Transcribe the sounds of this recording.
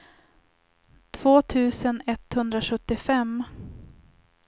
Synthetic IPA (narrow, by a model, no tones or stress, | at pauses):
t̪ʰv̥oːt̪ʰʉ̟ːsənɛt̪ːhɵnd̪ɾaɧɵt̪ːɪfɛm